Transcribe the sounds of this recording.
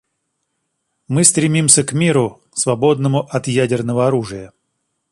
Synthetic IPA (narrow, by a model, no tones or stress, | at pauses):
mɨst̪ɾʲɪmʲimsʲəkmʲiɾʊ | svɐbo̞d̪nəmʊʔɐt̪jædʲɪrnəvəɐɾuʐɨjə